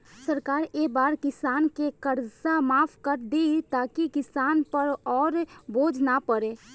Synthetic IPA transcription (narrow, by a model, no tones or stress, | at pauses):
səɾkaːɾeːbaːɾkɪsaːnkekəɾsamaːfʰkəɾd̪eit̪aːkikɪsaːnpəɾɔːɾboːd͡ʒnapəɾeː